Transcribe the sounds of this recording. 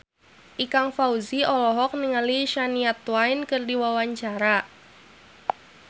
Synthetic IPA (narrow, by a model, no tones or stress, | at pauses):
ʔikaŋfauziɔlɔɦɔk̚niŋaliʃaniat̪wainkɨrdiwawaɲt͡ʃaɾa